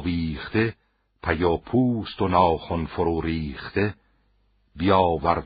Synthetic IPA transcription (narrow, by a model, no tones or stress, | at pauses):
viːχt̪e | pʰæjopʰuːst̪onɒːxonfoɾuːɾiːχt̪e | bijɒːvæɾ